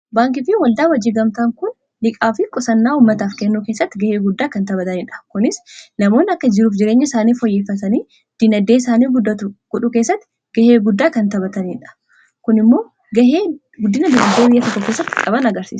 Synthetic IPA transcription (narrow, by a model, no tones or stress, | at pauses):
baːŋkɪfɪwɐld̪aːwɐd͡ʒːiːɡɐmt̪aːŋkʊn | lɪkʼaːfɪkʼɔsɐnːaːuːmːɐt̪aːfkɛnːuːke̞ːsːɐt̪ːɪɡɐheːɡʊd̪ːaːkɐnt̪ɐbɐt̪ɐniːᶑɐ̥kʊnɪsnɐmoːnːɪɐkːɐd͡ʒɪɾuːfd͡ʒɪɾe̞ːɲːɐɪsaːniːfɔjːeːfːɐt̪ɐniː | d̪̥ɪnɐd̪ːeːɪsaːniːɡʊd̪ɐt̪ʊɡ̥ɔᶑʊke̞ːsːɐt̪ːɪ̥ | ɡ̥ɐheːɡʊd̪ːaːkɐnt̪ɐbɐt̪ɐniːᶑɐ̥ | kʊnɪmːo̞ː | ɡɐheː | ɡʊd̪ːɪnɐd̪ɪnɐd̪ːeːbɪjːɐt̪ɔkːɔkeːsːɐt̪ːɪkʼɐbɐnɐɡɐɾsḭːsɐ̥